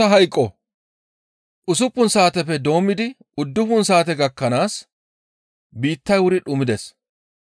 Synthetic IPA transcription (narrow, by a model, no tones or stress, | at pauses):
ɐɦɐjkʼːɔ | ʔʊsʊpːʊnsaːt̪ɛfɛd̪o̞ːmːɪd̪ɪ | ʊd̪ːʊfʊnsaːt̪ɛɡɐkːɐnaːs | biːt̪ːɐjwʊɾɪᶑʊmɪd̪ɛs